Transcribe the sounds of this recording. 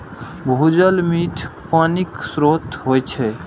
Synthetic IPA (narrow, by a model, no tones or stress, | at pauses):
bʱud͡ʒəlmiːt̪ʰpaːniksɾot̪ɦojt͡ʃʰɛ